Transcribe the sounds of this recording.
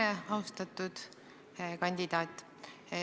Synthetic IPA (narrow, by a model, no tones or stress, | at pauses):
eɑust̪ɑt̪ːˑud̪̥ | kɑnʲd̪id̪̥ɑːt̪ʲːˑ